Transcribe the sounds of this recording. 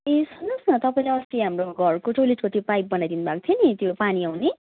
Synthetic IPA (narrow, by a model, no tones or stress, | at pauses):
esʌnʌsnʌt̪ʌpaĩlaʌʌst̪iɦamroɡʱʌrkoʈoleʈkot̪jopajp̚bʌnajd̪inubak̚t̪ʰjonit̪jopaniawne